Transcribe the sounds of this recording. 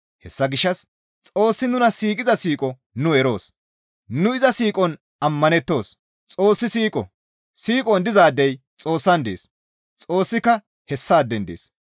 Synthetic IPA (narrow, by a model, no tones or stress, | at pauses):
hɛsːɐɡɪʃːɐs | t͡sʼo̞ːsːɪnʊnɐsiːkʼɪzɐsiːkʼɔ | nʊɛɾo̞ːs | nʊɪzɐsiːkʼɔn | ɐmːɐnɛt̪ːo̞ːs | t͡sʼo̞ːsːɪsiːkʼɔ̰ | siːkʼɔnd̪ɪzaːd̪ːɛj | t͡sʼo̞ːsːɐnd̪ḛːs | t͡sʼo̞ːsːɪkːɐ | hɛsːaːd̪ɛnd̪eːs